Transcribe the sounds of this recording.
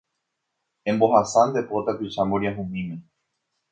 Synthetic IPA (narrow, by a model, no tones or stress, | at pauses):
ẽmbo̞ɦasand̪epo̞t̪akɨt͡ʃamboɾjaɦũmĩmẽ